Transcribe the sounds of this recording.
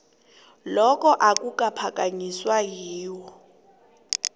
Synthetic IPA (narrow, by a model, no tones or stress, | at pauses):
lɔkʼɔʔakʼukʼapʰakʼaɲiswaɦiːwɔ